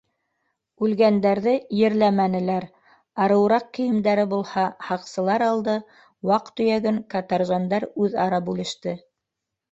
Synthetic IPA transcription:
ʉlɡænd̪æɾðɘjɘ̆ɾlæmænɘ̆læɾ | ɑɾɤ̆wɾɑq̚kĭjɘ̆md̪æɾɘbulˠhɑhɑqsɤ̆lˠɑɾɑlˠd̪ɤ | wɑqt̪ɵ̆jæɡɘŋkɑt̪ɑɾʒɑnd̪ɑɾʉðɑɾɑpʉlɘ̆ʃt̪ɘ

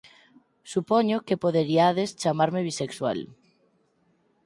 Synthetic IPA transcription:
supɔɲʊkepoðeɾiaðest͡ʃamaɾmeβisekswa̰l

